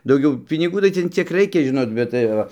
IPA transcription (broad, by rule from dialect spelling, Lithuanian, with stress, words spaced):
dɐʊˈɡʲɛʊ pʲɪnʲɪˈɡuː tɐɪ ˈtʲɛn ˈt͡sʲiɛk ˈrɐɪkʲɛ ˈʒʲɪnoːt bʲɛt tɐɪ ˈʋɐ